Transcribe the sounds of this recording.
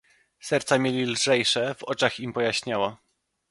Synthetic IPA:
sɛɾt̪samʲelʲilʐɛjʂɛvɔt͡ʂaximpɔjaɕɲawa

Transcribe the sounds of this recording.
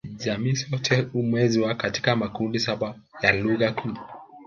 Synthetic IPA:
ʄamiːsɔtʰɛumwɛziwakati̥kamakundisaɓajaluɣakʰuː

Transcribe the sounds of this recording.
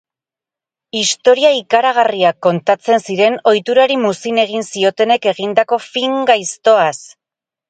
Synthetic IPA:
ist̪o̞ɾiaikaɾaɣ̞ariakːo̞nt̪at͡se̞nsiɾe̞no̞jt̪uɾaɾimusine̞ɣ̞insio̞t̪e̞ne̞ke̞ɣind̪ako̞fiŋɡajst̪o̞as

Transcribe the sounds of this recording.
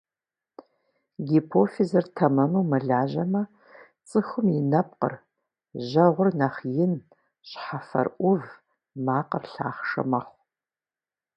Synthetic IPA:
ɡipʰofizɐrtʰɐmɐnuwmɐɮaːʑɐmɐ | t͡sʼɨxɨmjɪnɐp̚qə̰r | ʑɐʁʷʊrnɐχjɪn | ɕħafɐ̰rʔʷʊv | maːqərɬa̰ːχʂɐ̰mɐχʷ

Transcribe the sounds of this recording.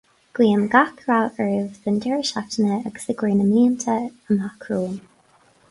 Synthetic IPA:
ɡ̥wiːəmɡakʰɹawɛɹvðəndɛɹɪʃatənəəɡə̥sɪɡɹeːnəmliːənt̪ʰəənakʰɹuːm

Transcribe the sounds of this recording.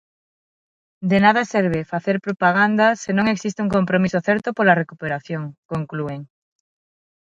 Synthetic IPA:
d̪enað̞asɛɾβ̞efaθeɾpɾopaɣ̞and̪asenõŋeksist̪euŋkompɾomisoθɛɾt̪opolarekupeɾaθjoŋkoŋklueŋ

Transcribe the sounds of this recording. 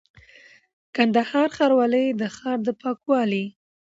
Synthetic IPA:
kand̪ahɑɾxɑɾwɑləjd̪əxɑɾd̪əpɑkwɑli

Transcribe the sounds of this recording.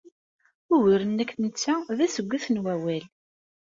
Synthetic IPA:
ʊwiɾənːækːnət͡sːæðæsəɡʷːiθnwæwæl

